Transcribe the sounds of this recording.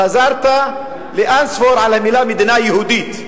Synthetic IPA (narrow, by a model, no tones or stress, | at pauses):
azɑɾˤt̪a | lɪʔansfoɾˤʕalamɪlaːmɪd̪inaʔjhuːd̪iːt̪